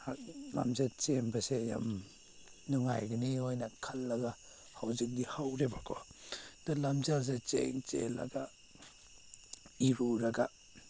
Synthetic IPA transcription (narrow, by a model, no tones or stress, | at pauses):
hala̰mzet͡ʃembaseja̰m | nɔŋa̰jɡaniojnɐkʰalːɐɡa | hawzik̚dihawɾebakʰɔd̥alamzals̬et͡ʃḛŋt͡ʃḛla̰ɡa | iɾuɾaɡa